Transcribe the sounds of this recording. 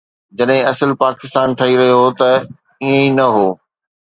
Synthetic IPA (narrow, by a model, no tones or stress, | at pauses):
d͡ʑɐɗɦɪ̃ɐsəlpaːkɪst̪aːnʈʰɐiɾɐɦijot̪ɐ | iə̃inɐɦoː